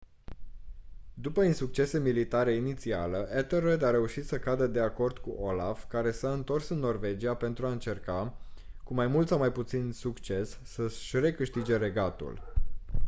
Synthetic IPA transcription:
d̪upəinsuk̚t͡ʃe̞se̞milit̪aɾe̞init̪sia̰ləʔet̪erojd̪aɾe̞uʃit̪səkad̪əd̪e̞ako̞rd̪kuʔola̰fkaɾe̞saɨnt̪o̞rsɨnːo̞rve̞d͡ʒiape̞nt̪ɾuaɨnt͡ʃe̞rkakumajmult̪sawmajput̪sinsukt͡ʃe̞sːəʃre̞kɨʃt̪id͡ʒe̞ɾeɡat̪ṵl

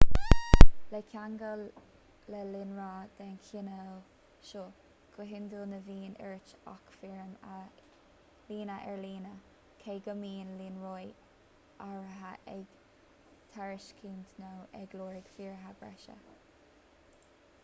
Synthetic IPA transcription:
lɛkʲʰaŋɡə | lɛlɪnɹaːd̪̥ɛnkʰinɛl | ʃoː | ɡ̥əɦɪnd̪əlnəviːnɛ̰ɹt͡ʃa̰kfiɹm | liːnəʔɛɹliːnə | kʰeːɡəmiːnlinɹoj | aɹɦaʔɛɡ | t̪ʰaɹɪʃkʰiːnt̪ʰnowɛɡloːɹɪɡ̥fiːɹɦabɹɛ̰ʃə̰

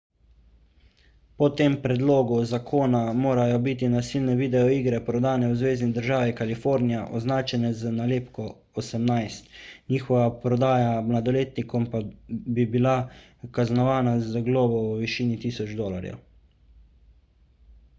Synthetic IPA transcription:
pɔt̪eːmpɾɛd̪loːɡuzakʰoːnamoːɾajɔbit̪inasilnɛʋiːd̪ɛɔiːɡɾɛpɾɔd̪aːnɛwzʋeːznid̪əɾʒaːʋikalifoːɾnijaʔɔznaːt͡ʃɛnɛzənaleːpkɔ | ɔsɛmnajst̪niːxɔʋapɾɔd̪aːjamlad̪ɔleːt̪nikɔmpabibila | kaznɔʋaːnazəɡlɔːbɔʋiʃiːnit̪iːsɔd͡ʒd̪oːlaɾjɛ̰w

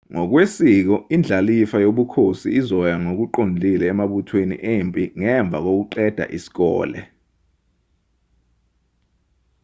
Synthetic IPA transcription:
ŋɔk̬wesiːk̬ɔind͡ɮʱalifajoɓukʰosḭːzɔjaŋok̬uǃond͡ɮʱilɛːmaɓutʰwenḭʔempʼiŋɛɱb̪vʱa̰k̬ok̬uǃɛd̥ʱa̰ʔisi̥k̬ɔ̰ːlɛ̰

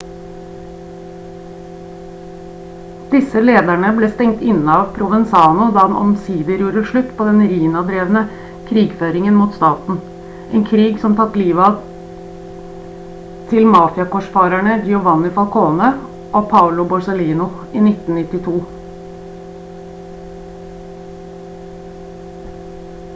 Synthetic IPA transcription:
d̪̥ɪsəleːd̪æɳəbleːst̪ɛŋt̪ɪnɑːʋpʰɾʊʋənsɑːnʊd̪ɑːd̪ɛnʔɔ̰msiːd̪əɾjuːɾəʂɭʉt̪ːpʰoːd̪ɛnɾiːnɑd̪ɾeːʋnə | kʰɾiːɡføːɾɪŋənmuːt̪st̪ɑːt̪n̩ | ʔeːŋkʰɾiːɡsɔmt̪ʰɑt̪ːliːʋɑ | t̪ʰɪlmɑːfɪɑkɔʂfɑːɾæɳəd͡ʒɪʊʋɑnːɪfɑlkʰoːnə | ʔopʰɑʊlʊbʊsəliːnʊ | iːnɪt̪n̩nɪt̪ːɪt̪ʰuː

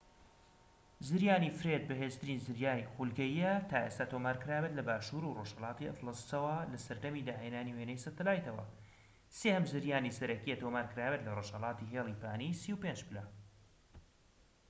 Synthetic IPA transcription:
zɨɾjaːnifɾed̪̚bɐɦeːst̪ɨɾiːnzɨɾjaːnixulɡɐjijɛt̪aːʔe̞st̪aːt̪omaːɾkɨɾaːbet̪lɐbaːʃuɾuroʒhɐlˠɑːt̪iɐ̰flɨst͡sɐwɐlɐsɐɾd̪ɐmid̪aːɦeːnaːniwenɛjsɐt̪ɨlaːjt̪ɐwɐ̰ | sehɐmzɨɾjaːnisɐɾɐkijɛt̪oːmaːɾkɨɾaːbet̪lɐroːʃhɐlˠɑːt̪iɦeːlˠipʰaːnisiupend͡ʒbɨlɐ

